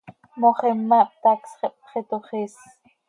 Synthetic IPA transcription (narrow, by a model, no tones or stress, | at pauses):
moχemːap̚t̪aksχɛp̚χet̪oχis